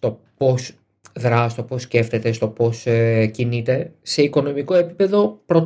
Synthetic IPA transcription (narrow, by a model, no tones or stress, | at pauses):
t̪o̞po̞s | ðɾɐst̪o̞po̞sce̞ft̪e̞t̪e̞st̪o̞po̞scinit̪e̞se̞iko̞no̞miko̞e̞pipe̞ðo̞pɾo̞